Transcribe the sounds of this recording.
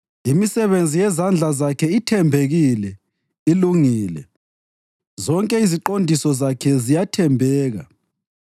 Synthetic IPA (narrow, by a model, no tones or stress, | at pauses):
imisɛβend͡zʱijɛzand͡ɮʱazakʰɛitʰɛmbʱeɣilɛ | iluŋiːlɛ̰ | zɔŋkʼɛiziǃondʱisɔzakʰɛzijatʰɛmbʱɛːɣa̰